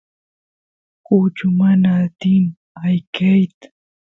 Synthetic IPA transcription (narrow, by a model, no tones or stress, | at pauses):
kut͡ʃʊmanaːt̪ɪm | ajkʰajt̪ʊ̥